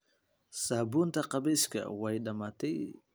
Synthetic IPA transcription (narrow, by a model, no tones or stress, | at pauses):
saːbunt̪ʰɐqɑbɛskʰɐ̰wɑjɗɐmat̪ʰɛj